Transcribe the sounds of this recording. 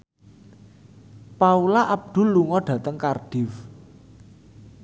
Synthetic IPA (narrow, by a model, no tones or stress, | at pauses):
paulaʔab̚d̪̥ʊ̤lːuŋɔɖ̥ä̤t̪əŋkarɖ̥ɪ̤f